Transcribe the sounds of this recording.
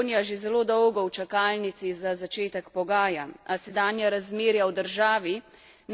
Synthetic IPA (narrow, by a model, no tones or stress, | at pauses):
nijaʒezɛloːd̪ɔwɡɔwt͡ʃakaːlnit̪sizazat͡ʃeːt̪ɛkpɔɡaːjaasɛd̪aːnjaɾazmeːɾjawd̪əɾʒaːʋi | n